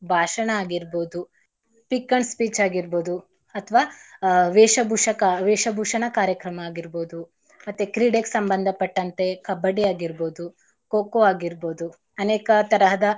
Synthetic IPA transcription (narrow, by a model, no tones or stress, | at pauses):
bʱaːʃɐɳɐaːɡiɾboːd̪u | pikːɐɳspiːt͡ʃaːɡiɾboːd̪u | ɐt̪ʰʋaːʋeːʃɐbʱuːʂɐkɐʋeːʃɐbʱuːʂɐɳɐkaːɾjɐkɾɐmɐaːɡiɾboːd̪u | mɐt̪ːekɾiːɖeksɐmbɐnd̪ʱɐpɐʈːɐnt̪e̞kɐbːɐɽiaːɡiɾboːd̪u | koːkoaːɡiɾboːd̪u | ɐneːkɐt̪ɐɾɐɦɐd̪ɐ